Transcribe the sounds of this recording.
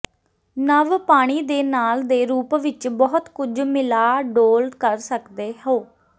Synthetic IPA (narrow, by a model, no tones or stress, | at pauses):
nəʋpaːɽ̃iːd̪eːnaːld̪eːɾuːpʋɪt͡ʃbɔɦʊt̪kʊd͡ʒmɪlaːɖoːlkəɾsəkd̪eːɦoː